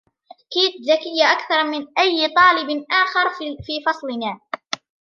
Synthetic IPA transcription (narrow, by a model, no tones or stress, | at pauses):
kiːt̪ðakɪjːaʔakθɑɾˤmɪnʔajːt̪ˤɑːlɪbnʔaːxɑɾˤfiːfɑsˤlɪnaː